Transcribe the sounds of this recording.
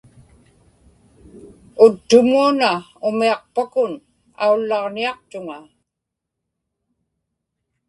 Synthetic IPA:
ʊt̪ːʊmuanaʊmiɑqpakʊn | a̰ulːɑʁniɑqt̪ʊŋa

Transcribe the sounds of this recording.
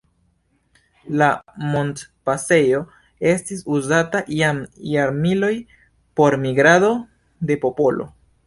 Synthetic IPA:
lamo̞ntpase̞jo̞ | e̞stisuzataʔjamjaɾmilo̞j | po̞ɾmiɡɾado̞ | de̞po̞po̞lo̞̰

